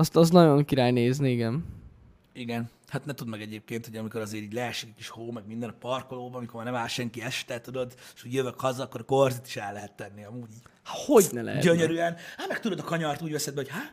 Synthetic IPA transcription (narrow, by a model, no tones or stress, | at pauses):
ɒst̪ɒznɒɟo̞ŋkiɾaːjneːzniiɡɛn | iɡɛn | hat̪nɛt̪ud̪mɛɡɛɟeːp̚keːnt̪hoɒmiko̞ɾɒzeːɾiːɟʲlɛɛʃikɛkiʃhoːmɛɡ̚mind̪ɛnɒpɒrkoloːbɒmikomaːnɛmaːlʃɛŋkiɛʃt̪ɛt̪ud̪o̞d̪eʃoɟjøvøkhɒzɒːkːoɾɒkorzit̪i̥ʃɛlːɛɦɛt̪ːɛnːiɒmuːɟiːɟhḁho̞ɟnɛlʔɛ̰ɦɛ̰ɟøɲøɾyɛnhaːt̪mɛk̚t̪ud̪od̪ɒkɒɲɒrt̪uːɟvɛsɛd̪bɛhochaː